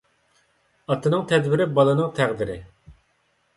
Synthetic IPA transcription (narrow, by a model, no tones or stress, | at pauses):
ɑt̪ʰːɨnɨŋt̪ʰɛd̪wɪɾɪbɑlˠɨnɨŋt̪ʰæʁd̪ɪɾɪ